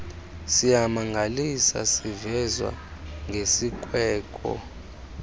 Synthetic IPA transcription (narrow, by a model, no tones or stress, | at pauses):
sijamaŋɡʱalisa̰sivɛzwa̰ | ŋɡʱesikʼwɛːkʼɔ̰